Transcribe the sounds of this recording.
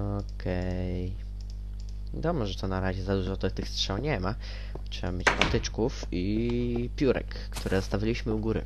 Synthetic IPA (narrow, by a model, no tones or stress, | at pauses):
ɔkʰɛj | vʲad̪ɔmɛʐɛt̪ɔnaɾaʑɛzad̪uʐɔt̪t̪ɘxstʂɛwɲɛma | tʂɛbamʲjet͡ɕpat̪ɘt͡ʂkuf | ipʲjuɾɛ̰kːt̪uɾɛzɔst̪avʲalʲiɕmɘuɡuɾɘ̰